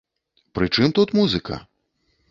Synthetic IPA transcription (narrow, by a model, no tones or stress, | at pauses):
pɾɨt͡ʂɨmt̪ut̪muzɨkʰɐ̰